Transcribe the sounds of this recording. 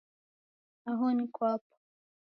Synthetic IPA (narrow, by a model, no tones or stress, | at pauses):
aɦɔnikwapɔ̥